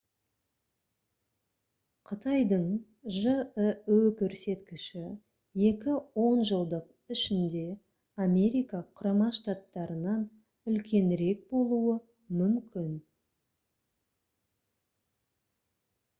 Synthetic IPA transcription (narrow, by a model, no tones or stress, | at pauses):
qʰət̪ʰɑjd̪əɴ | ʒəəɵkʲʰɵɾse̞t̪kʲɪʃɪ | je̞kʲɪwo̞nʒəlˠd̪əq̚ | ɪʃɪnd̪e̞ | ame̞ɾijkɑqʰʊɾɑmɑʃt̪at̪ːɑɾənɑn | ʏlkʲe̞nɾe̞k̚bo̞lˠuə | mʏmkʲɪn